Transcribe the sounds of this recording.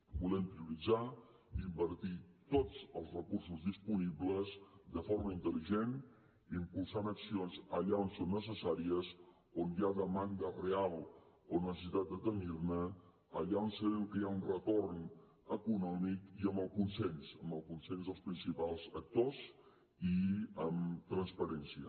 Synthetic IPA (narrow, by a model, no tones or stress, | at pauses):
bulɛmpɾiuɾid͡za | imbəɾt̪it̪ot͡səlˠzrəkursuzðispuniβləzd̪əfoɾməint̪əliʒen | impulˠsanəksionzəʎaonsonːəs̬əsaɾiəz | onjaðəmanɡ̪ərealˠ | onəsəsit̪at̪̚d̪ət̪ənirnə | əʎaonsəβemkəjaunrət̪orn | əkunɔmikiəmbəlˠkunsensəmbəlˠkunsenzðəlˠspɾinsipalˠzək̚t̪oz | iəmt̪ɾənspəɾɛnsiə